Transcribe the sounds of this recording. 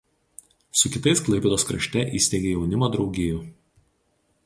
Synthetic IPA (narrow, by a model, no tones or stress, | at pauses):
sʊkʲɪt̪ɐɪsklˠɐɪpʲɛd̪oːskɾɐ̰ʃʲt̪ʲɛʔiːsʲt̪ʲeɡʲeːjɛʊnʲɪmoːd̪ɾɒʊɡʲɪːju